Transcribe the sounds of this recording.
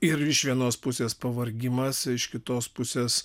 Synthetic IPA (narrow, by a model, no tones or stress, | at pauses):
ɪɾɪʃʋʲiɛnoːspʊsʲeːspɐʋɐɾʲɡʲɪmɐsɪʃkʲɪt̪oːspʊsʲeːs